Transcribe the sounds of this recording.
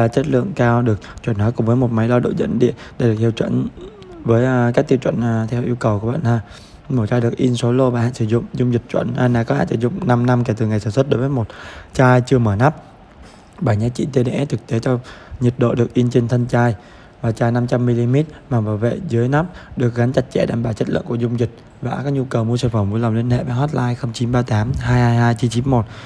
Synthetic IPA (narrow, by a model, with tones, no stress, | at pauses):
aː˨˩t͡ɕə˦˥t̚lɨ̰˧˨əŋkaː˧wɗɨ˨˩ək̚t͡ɕwə˧˩nhɔː˨˦kʊ˨˩ŋ͡mvəː˨˦jmo˨˩t̚ma˨˦jɗɔ˧ɗo̰˧˨zə̰˧˥nɗḭ˧˨ənɗe˧˩ɗɨ˨˩ək̚t̪ʰwt͡ɕwə̰˧˨n | vəː˨˦jʔkaː˦˥k̚t̪i˧əwt͡ɕwə̰˧˨nː˨˩t̪ʰɛ˧wʔi˧wkə˨˩wku˧˩əɓa̰ː˧˨nhaː˧˩ | mo˧˩t͡ɕaː˧jɗɨ˨˩ək̚ʔi˧nso˨˦lo˧vaː˨˩ha̰ː˧˨sɨ˧˩zʊ̰˧˨ŋ͡mzʊ˧ŋ͡mzi˨˩t̚t͡ɕwə̰˧˨na˧naː˨˩kɔ˨˦ha̰ː˧˨sɨ̰˧˩zʊ̰˧˨ŋ͡mna˧mna˧mkɛ˧˩t̪ɨ˨˩ŋa˨˩jsaː˧˩nswə˦˥t̚ɗo˨˦jvəː˨˦jmo˨˩t̚t͡ɕaː˧jt͡ɕɨ˧əməː˧˩na˦˥p̚ | ɓaː˧˩ɲaː˨˥t͡ɕḭ˧˨t̪e˧ɗḛ˧˨ʔɛ˦˥t̪ʰɨ˨˩k̚t̪e˨˦t͡ɕɔ˧ɲə˨˩t̚ɗo̰˧˨ɗɨ˨˩ək̚ʔi˧nt͡ɕe˧nt̪ʰə˧nt͡ɕaː˧j | vaː˨˩t͡ɕaː˧jna˧mt͡ɕa˧mːi˧li˧mɛ˦˥t̚maː˨˩ɓaː˨˩wvḛ˧˨zɨ˨˦əjna˦˥p̚ɗɨ˨˩ək̚ɣa˨˦nt͡ɕa˨˩t̚t͡ɕɛ̰˧˩ɗa̰ː˨˩mɓaː˧˩wt͡ɕə˦˥t̚lɨ̰˧˨ŋku˧˩əzʊ˧ŋ͡mzï˨˩t̚ | vaː˨˩kaː˦˥k̚ɲu˧kə˨˩wmu˧səː˧˩fə˧˩mvu˧˨˦la˨˩wŋ͡mlwi˧ənhḛ˧˨ɓaː˧˦nɦɔ˦˥t̚laː˧jxə˧wŋ͡mt͡ɕi˨˦nɓaː˧t̪aː˨˦mɦaː˧jhaː˧jhaː˧jt͡ɕi˨˦nt͡ɕi˨˦nmo˨˩t̚